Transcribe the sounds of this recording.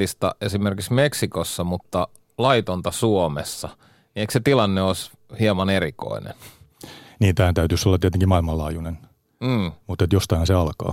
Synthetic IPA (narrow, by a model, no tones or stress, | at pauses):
ist̪ɑ̰esimerkiksmeksikosːɑmut̪ːɑ | lɑit̪ont̪ɑsuomḛsːɑ | eikset̪ilɑnːeos | hiemɑneriko̰inḛn | niːnt̪æhænt̪æyt̪ysolːɑt̪ieæt̪eŋkimɑilmɑllɑːjunen̩ː | mut̪ːet̪jost̪ɑihɑnseɑlkɑ̰ː